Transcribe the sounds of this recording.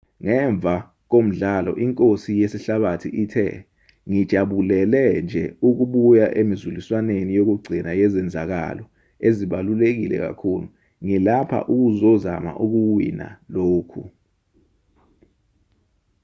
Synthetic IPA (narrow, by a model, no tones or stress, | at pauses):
ŋɛɱb̪vʱa | k̬om̩ɮalɔ̰ʔiŋkʼosijesiɬaɓatʰḭʔitʰɛ̰ | ŋid̥ʒ̥ʱaɓulɛlɛnd͡ʒʱɛuk̬uɓujaʔemizuliswanenijok̬uɡ͡ǀʱinajɛzɛnd͡zʱak̬a̰lɔ | eziɓalulek̬ilɛ̰k̬a̰kʰuːlu | ŋilapʰa̰ʔuk̬uzɔza̰ma̰ʔuk̬uwḭna̰loːkʰu